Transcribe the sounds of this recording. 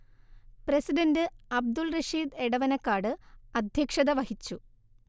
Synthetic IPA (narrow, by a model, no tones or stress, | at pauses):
prɐsiɖɐndɨɐb̚d̪ulrɐʂiːd̪e̞ɽɐʋɐnɐkːaːɖɨɐd̪ʱjɐkʂɐðɐʋɐhit͡ɕːu